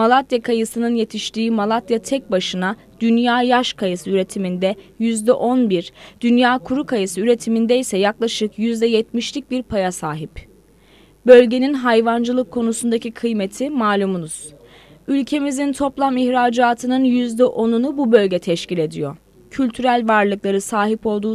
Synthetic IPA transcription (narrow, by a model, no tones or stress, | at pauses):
malˠat̪jakʰajɯsɯnɯnje̞t̪ʰiʃt̪iːmalˠat̪jat̪ʰɛc̚baʃɯna | d̪ynjaːjaʃkʰajɯsɯyɾe̞t̪ʰimind̪ɛjyzd̪ɛʔo̞nbiɾd̪̥ynjaːkʰuɾukʰajɯsɯyɾe̞t̪ʰimind̪ɛisɛjaklˠaʃɯkjyzd̪ɛjɛt̪miʃlʲic̚ʲbiɾpʰajasaːɦip | bø̞lʲɟe̞ninɦajvand͡ʒɯlˠɯkʰːo̞nusund̪acikʰɯjmet̪ʰimaːlʲumunuz̥ylʲcʰe̞mizint̪ʰo̞plˠamiçɾaːd͡ʒaːt̪ʰɯnɯnjyzd̪ɛʔo̞nunububø̞lʲɟɛt̪ʰɛʃcilʲe̞d̪ḭjo̞ | cʰylʲt̪ʰyɾælʲvaɾlˠɯklˠaɾɯsaːɦipo̞lˠd̪uː